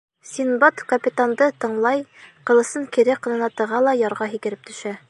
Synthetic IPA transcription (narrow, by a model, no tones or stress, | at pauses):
sʲinbɑt̪kɐpʲit̪and̪ɤt̪ɤ̆ɴlˠɑjqɤ̆lˠɤ̆sɤŋkiɾɘqɤ̆nɤ̆nɑt̪ɤ̆ʁɑlˠɑjɑɾʁɑɦikɘ̆ɾɘp̚t̪ɵ̆ʃæ